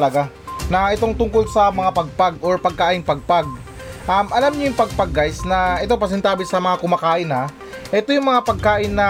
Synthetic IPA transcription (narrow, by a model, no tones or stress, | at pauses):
lɐɡa | nɐʔɛt̪o̞ŋt̪ʊŋko̞lsɐmɐŋapɐɡ̚paɡʔoɹpɐɡ̚kaːʔɪŋpɐɡ̚paɡ̚ | ʔɐmʔɐlamɲʊjʊŋpɐɡ̚pɐɡ̚kajsnɐʔɛt̪op̬ɐs̬ɛnt̪aːbɪsɐmɐŋakʊmaːkaːʔɪnɐ | ʔɛt̪o̞jʊŋmɐŋapɐɡ̚kaːʔɪnːɐ